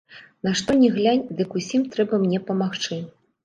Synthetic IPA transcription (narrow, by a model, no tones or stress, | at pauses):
naʂt̪ɔnʲɛɣlʲanʲd̪ɨkusʲimt̪ɾɛbɐmnʲɛpɐmaxt͡ʂɨ